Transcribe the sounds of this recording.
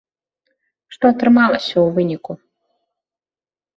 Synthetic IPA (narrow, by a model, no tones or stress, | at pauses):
ʂt̪ɔɐt̪ɾɨmalˠɐsʲɐwvɨnʲiku